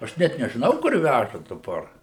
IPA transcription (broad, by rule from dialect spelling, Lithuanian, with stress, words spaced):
ɐʃ ˈnʲɛt nʲɛʒʲɪˈnɐʊ kʊr ˈʋʲæʒɐ dɐˈbɐr